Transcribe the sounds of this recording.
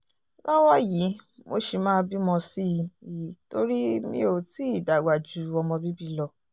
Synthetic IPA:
lɔ˦wɔ˦ji˨˦mo˧˦ʃi˧mãː˦bi˦mɔ̃˧si˦˧˨to˧ɾi˦mḭ̃˦o˧˨ti˦i˦˨da˨ɡa˨d͡ʒu˨˦ɔ˧mɔ̃˧bi˦bi˦lɔ˧˨

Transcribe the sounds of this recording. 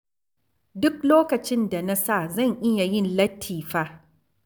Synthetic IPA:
dʊ˦k̚loː˦kɐ˨t͡ʃɪ˦nda˨na˦sa˦˨zɐ˦˨ɲʔɪ˦ja˨jɪ˦nlɐ˦tʰːiː˨ɸaː˦

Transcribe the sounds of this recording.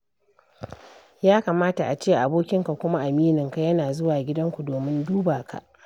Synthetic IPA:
jaː˦ka˨maː˦ta˨ʔa˨t͡ʃeː˦˨ʔa˨boː˦kʲɪ˦ŋka˨kʷʊ˦ma˦ʔa˨miː˦nɪ˨ŋka˨jɐ˦naː˨zʊ˦waː˨ɡʲɪ˦dɐ˦ŋkʷu˨doː˨mɪ˦nduː˦baː˨ka̰˨ʔ

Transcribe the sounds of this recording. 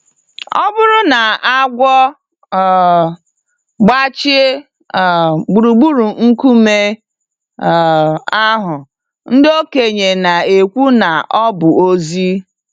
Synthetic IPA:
ɔ˦bʊ˦ɾʊ˦na˨a˦ɡʷɔ˦˨ | ɡ͡ba˦t͡ʃɪ˦˨ | ɡ͡bu˨ɾu˨ɡ͡bu˦ɾu˨ŋ̩˦ku˦me˦˨ | a˦ɦʊ˨ | n̩˦do˦ke˨ɲe˨na˨e˨kʷu˦na˨ʔɔ˦bʊ˨o˦zi˦

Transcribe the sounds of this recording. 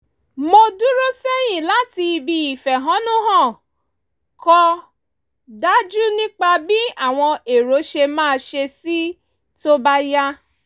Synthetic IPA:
mo˧du˦ɾo˦se˦j̃ĩ˦˨la˨˦ti˧i˧bi˧i˨fɛ˨ɦã˨˦nũ˦ɦɔ̃˦˨ | kɔ˧ | da˦d͡ʒu˦nĩ˦k͡pa˧bi˦a˦˨w̃ɔ̃˧e˨ɾo˨˦ʃe˧mãː˦˧ʃe˧si˦ | to˦ba˦ja˦

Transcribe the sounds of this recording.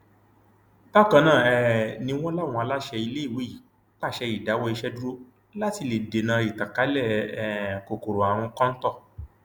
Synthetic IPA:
ba˦˨kã˧˦nãː˦˨ɛ˨nĩ˧˦w̃ɔ̃˦la˦˨w̃ɔ̃˧a˧la˦ʃɛ˧i˧le˦i˦˨we˨˦i˦˨˦ | k͡pa˦˨ʃɛ˧i˨da˨˦wɔ˦i˧ʃɛ˦du˦ɾo˦ | la˦ti˧le˨de˨nã˧i˨ta˨ka˨˦lɛ˦˨ | ko˨ko˨ɾo˨a˨w̃ɔ̃˧kã˦n̩˦tɔ˦˨

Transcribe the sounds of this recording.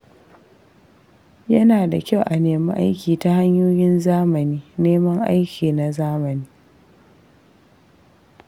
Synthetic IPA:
jɐ˦naː˨da˨kʲa˦˨wʔa˨neː˨ma˦ʔa̰˦jkʲiː˨ta˦ha˦ɲjoː˦jɪ˦nzaː˦mɐ˨niː˦neː˦mɐ˦ŋʔa̰˦jkʲiː˨na˨zaː˦mɐ˨niː˦

